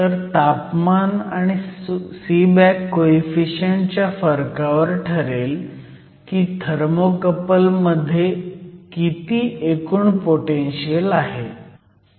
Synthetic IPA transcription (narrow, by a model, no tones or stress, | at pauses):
t̪əɾt̪apmanaɽ̃isibækːoifiɕəɳt͡ɕjafəɾkaʋəɾʈʰəɾel | kiːd̪ʱəɾmokəpəlməd̪ʱːjekit̪iːʔekuːɳpoʈenɕiəlaɦe